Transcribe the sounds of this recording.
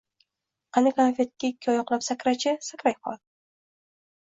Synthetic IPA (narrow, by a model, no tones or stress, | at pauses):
qʰɑnɪkʰanfʲet̪̚kʲːaɪkʲʰːɒjɒqlˠapsakʲɾat͡ʃʰɪsakʲɾajqʰɒ̰ld̪